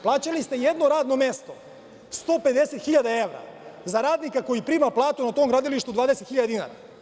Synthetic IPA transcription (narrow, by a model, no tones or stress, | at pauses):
plˠaːt͡ɕalist̪e̞jed̪no̞ɾaːd̪no̞mje̞st̪o̞ | st̪o̞pe̞d̪e̞se̞t̪xiʎad̪ae̞ʋɾa̰zaɾaːd̪nikako̞jipɾiːmaplˠaːt̪unat̪omɡɾaːd̪iliʃt̪ud̪ʋaːd̪eset̪xiʎad̪d̪ina̰ɾa̰